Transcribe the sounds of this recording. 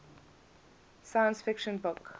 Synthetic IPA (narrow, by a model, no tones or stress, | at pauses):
sajə̃nsfɪkʃə̃nbʊk